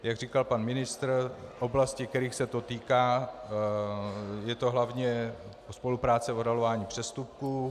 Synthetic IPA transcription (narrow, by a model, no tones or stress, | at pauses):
jaɡriːkalpanmɪnɪst̪rʔo̞blascɪkt̪ɛɾiːxsɛt̪o̞t̪iːkaː | jɛt̪o̞ɦlavɲɛ | ospo̞lupɾaːt͡sɛodalovaːɲiːpr̥ɛst̪up̚kuː